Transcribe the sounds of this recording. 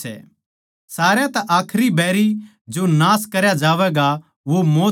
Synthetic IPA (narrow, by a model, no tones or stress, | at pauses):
ɛ̰ː | saːɾjat̪ɐʔaːkʰɾibɛːɾi | d͡ʒonaːskɐɾjad͡ʒaːʋɛɡa | ʋomoː